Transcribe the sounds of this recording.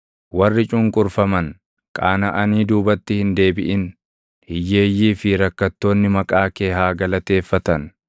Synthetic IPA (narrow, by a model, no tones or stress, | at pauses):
wɐrːɪt͡ʃʼʊŋkʼʊɾfɐmɐn | kʼaːnɐʔɐniːd̪uːbɐt̪ːɪhɪnd̪e̞ːbɪʔɪn | hɪjːe̞ːjːiːfɪɾɐkːɐt̪ːo̞ːnːɪmɐkʼaːke̞ːɦaːɡɐlɐt̪e̞ːfːɐt̪ɐn